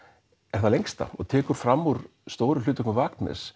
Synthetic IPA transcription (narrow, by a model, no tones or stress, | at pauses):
ɛɾ̥θalejŋkst̪a̰ɔ̰t̪ʰɛːkʏɾ̥fɾamːuɾ̥ | st̪oːwɾʏlʏːt̪ʏknvaːknɛ̰s